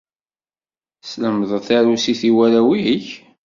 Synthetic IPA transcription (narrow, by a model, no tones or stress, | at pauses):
sləmðˤθaɾusiθiwæɾæwiç